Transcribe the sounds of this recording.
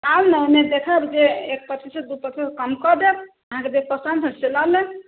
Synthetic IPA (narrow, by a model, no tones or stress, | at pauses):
awnəmed̪ekʰəbd͡ʒeek̚pət̪ʰised̪upət̪ʰiskəmkɔd̪eb̚ | əɦãked̪ek̚pəsə̃nd̪səseləlɛ